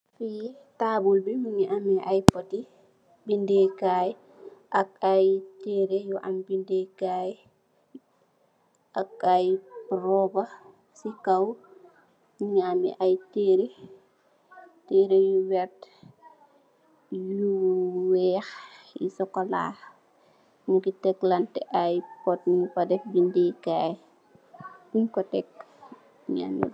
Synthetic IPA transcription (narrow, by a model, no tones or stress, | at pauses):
fiː | tabulbimiɲiʔamiʔajpɔti | bindɛkajɛ | ʔakajteɾɛjuʔanbindɛkajɛ | ʔakːajpɾɔba | sikaw | miɲamḭʔajteːɾi | teːɾijuwɛt | juwɛːx | jḭsɔkɔla̰ː | muɡitɛklɐntɛʔɐjpɔt̚nupɐdɛfbindikaːj | buɲkɔtɛk | ɲa̰ːnḭ